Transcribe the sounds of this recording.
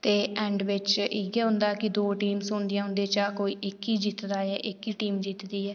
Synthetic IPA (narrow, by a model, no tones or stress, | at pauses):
t̪eːɛːɳɖʋɪt͡ʃɪɡɛːɦʊ̃nd̪aːkɪd̪oːʈiːmsʊ̃ːnd̪ɪjãːɦʊ̃nd̪eːt͡ʃaːkoːiːʔɪkiːd͡ʒiːt̪d̪aːɛːʔɪkiːʈiːmd͡ʒiːt̪d̪iːɛː